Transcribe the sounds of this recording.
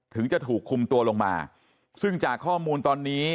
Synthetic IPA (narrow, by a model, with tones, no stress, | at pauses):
t̪ʰɯ˩˦ŋt͡ɕa˨˩t̪ʰuː˨˩kʰːu˧mt̪u˧ɐlo˧ŋma̰ː˧ | sɯ˥˩ŋt͡ɕaː˨˩kʰːɔː˥˩muː˧nt̪ɔː˧nːiː˦˥